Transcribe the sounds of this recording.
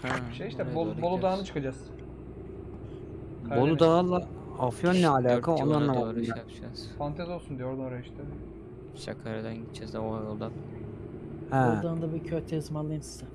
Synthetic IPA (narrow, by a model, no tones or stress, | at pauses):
ʃejiʃt̪ɛbolˠbolˠud̪aɦnɯt͡ʃʰɯ̥kad͡ʒas | bolˠud̪aɦalˠa | afjonːɛalʲaːkʰaonanaɾɯad͡ʒaz̥fant̪ʰazo̞lˠsund̪ijoɾd̪noɾaiʃt̪ʰɛ | sa̰kʰaɾad̪ænit͡ʃʰɛzɛoajolˠd̪a | hɛd̪aɯnd̪abicʰøɾt̪ʰeɯzmalːˠɯnsi̥sa